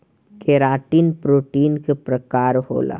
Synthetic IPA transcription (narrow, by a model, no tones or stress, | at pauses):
kʰeɾaːʈiːnpɾoːʈiːnkepɾɐkaːɾɦo̰ːla̰ː